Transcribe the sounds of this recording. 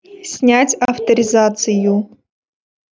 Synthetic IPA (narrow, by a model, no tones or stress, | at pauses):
sʲnʲatʲɐft̪əɾʲɪzat̪sɨju